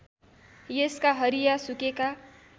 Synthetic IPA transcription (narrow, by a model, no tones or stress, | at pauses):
jeskaɦʌɾijasukeka